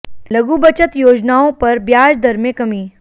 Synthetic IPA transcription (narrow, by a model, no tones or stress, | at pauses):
lɐɡubɐt͡ʃət̪joːd͡ʒnaːõpɐɾbjaːd͡ʒd̪ʱɐɾmẽkɐmiː